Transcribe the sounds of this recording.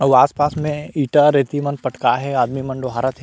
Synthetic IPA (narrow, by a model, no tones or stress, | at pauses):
əʋaːspaːsmẽiːʈaɾet̪imɐ̃npɐʈkaɦɛaːd̪mimɐ̃ɳɖoɦaːɾət̪ɦɛ